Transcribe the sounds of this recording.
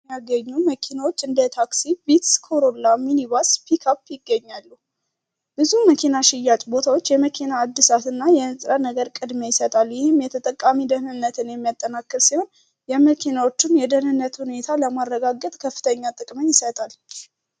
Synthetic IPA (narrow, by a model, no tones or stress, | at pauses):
aɡəɲːuməkʰinawot͡ʃːɨnd̪ət̪ʰaksibit̪skʰo̞ɾolaminiβaspʰikʰapːjɪɡːəɲːalːu | b̥ɨzuməkʰinaʃɪjːat͡ʃʼbo̞t̪ʰawot͡ʃːjɛməkʰinaːd̪ːɨsat̪ɨnːajɛnsʼɾənəɡəɾkʼɨd̪mejɪsət̪ʼalːjɪhɪmjɛt̪ʰət̪ʼəkʼːamid̪əhmɨnːət̪ʰɨnjɛmːijat̪ʼːənakːɨɾsiho̞n | jɛməkʰinawo̞t͡ʃːɪnjɛd̪ənɨnːət̪hune̞t̪ʰaləmaɾːəɡaɡət̪ʼkʰəfːɨ̥t̪ʰəɲːat̪ʼɨkʼməɲːjɪsət̪ʼal